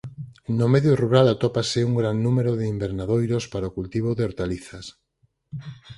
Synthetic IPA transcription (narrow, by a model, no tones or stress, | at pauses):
nomeðjoruɾalat̪opaseuŋɡɾanːumeɾoðeimbeɾnaðojɾospaɾaokult̪iβ̞oðeoɾt̪aliθas